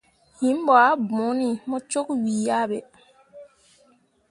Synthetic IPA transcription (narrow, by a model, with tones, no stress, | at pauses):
hi˨˦mbɔ˨a˦bɔ̃˨˦ni˨mɔ˦t͡ʃo˦kwiː˨ja˦ɓɛ˨